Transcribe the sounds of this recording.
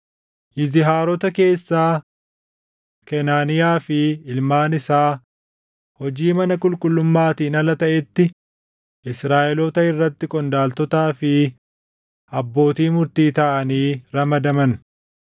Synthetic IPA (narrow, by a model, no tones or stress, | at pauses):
ʔɪzɪɦaːɾɔt̪ɐke̞ːsːaː | kɛnaːnɪjaːfɪɪlmaːnɪsaː | hɔd͡ʒiːmɐnɐkʼʊlkʼʊlːʊmːaːt̪iːnɐlɐt̪ɐʔɛt̪ːɪ | ɪsɾaːʔɛlɔt̪ɐɪrːɐt̪ːɪkʼɔnd̪aːlt̪ɔt̪aːfɪ | ɐbːo̞ːt̪iːmʊɾt̪iːt̪ɐʔɐniːɾɐmɐd̪ɐmɐn